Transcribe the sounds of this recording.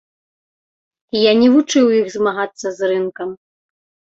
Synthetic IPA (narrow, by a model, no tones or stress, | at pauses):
janʲɛvut͡ʂɨwjixzmaɣat̪sːɐzrɨnkɐm